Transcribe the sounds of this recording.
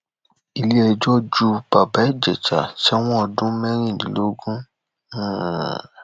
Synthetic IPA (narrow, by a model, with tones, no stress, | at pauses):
i˨li˦ɛ˧d͡ʒɔ˦d͡ʒu˦ba˨ba˨˦i˦˨d͡ʒɛ˨t͡ʃa̰˨ʃɛ˦w̃ɔ̃˦ɔ˧dũ˦mɛ̃˦ɾ̃ĩ˦˨nḭ̃˨lo˦ɡũ˦˨